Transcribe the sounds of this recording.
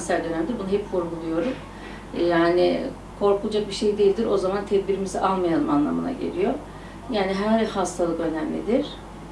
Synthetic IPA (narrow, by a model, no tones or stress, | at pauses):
nsæɾd̪ø̞næmd̪iɾbunaɦɛpfuɾɡulˠujo̞ɾum | jaːnɪ̰ | kʰo̞ɾkʰulˠad͡ʒak̚biʃejd̪ejilʲd̪ʲiɾo̞zamant̪ʰɛd̪biɾimiziʔalˠmajanˠɯmanlˠamɯna̰ɟe̞̰lʲijo̞ | jaːniɦæɾhast̪ʰalˠɯkø̞næmlʲḭd̪iɾ̥